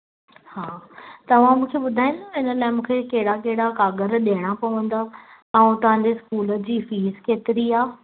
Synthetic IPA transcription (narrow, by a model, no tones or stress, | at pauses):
haːt̪ɐʋ̤ãmũːkʰeɓʊd̪ʱaːɪ̃nd̪aɪnə̆laːɪmũːkʰekɐɦɪɽakɐɦɪɽakaːɡəɾɗeːɽ̃apɐʋə̃nd̪a | ɛ̃t̪ɐʋ̤ãɲd͡ʑeskuːlə̆d͡ʑiːfiːzkeːt̪ɪɾiaː